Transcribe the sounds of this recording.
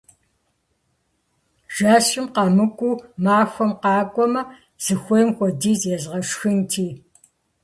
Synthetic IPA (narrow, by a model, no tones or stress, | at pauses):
ʒ̥aːɕʼɪmqɑmɨkʷʼumaːxʷɔmqɑːkʷʼɔmɐ | z̥ɨxʷɔjmxʷɔdiːzjɛzʁɐʂxɨntʰiː